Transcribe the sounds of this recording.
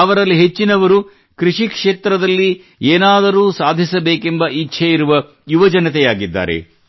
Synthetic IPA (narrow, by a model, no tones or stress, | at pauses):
ɐʋɐɾɐlːiɦe̞t͡ʃːinɐʋɐɾu | kɾiʂikʂeːt̪ɾɐd̪ɐlːi | eːnaːd̪ɐɾuːsaːd̪ʱisɐbeːkembɐʔitːʃʰɐjiɾuʋɐ | juʋɐd͡ʒɐnɐt̪ɛjaːɡid̪ːa̰ːɾḛ